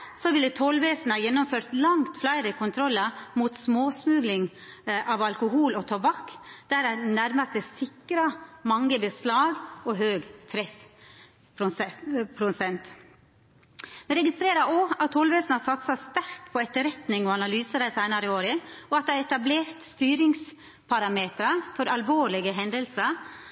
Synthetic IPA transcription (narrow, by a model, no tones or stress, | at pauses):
sɔʋɪlːət̪ʰɔlʋeːsnɑjɛnːɔmføːɾt̪lɑŋt̪flæɪɾəkʰʊnt̪ʰɾɔlːɑmuːt̪smoːsmʉːɡlɪŋ | ʔɑʋɑlkʊɦuːlɔt̪ʰɑbɑkːd̪̥æɾænæɾmɑst̪əsɪkːɾɑmɑŋːəbəslɑːɡɔɦøːɡt̪ʰɾɛf | pʰɾʊpʰɾʊsɛnt̪ | mɛɾɛɡɪst̪ɾeːɾɑʔoːɑt̪ʰːɔlʋeːsnɑsɑt̪sɑst̪æɾkpʰɔɛt̪ːəɾɛt̪nɪŋɔɑnɑlyːsəd̪æɪsæɪnɑɾəoːɾəɔɑt̪̚ɛɛt̪ɑbleːɾt̪st̪yːɾɪŋs | pʰɑɾɑmeːt̪ɾɑfɔɾʔɑlʋoːɭɪɡəɦɛnd̪əlsə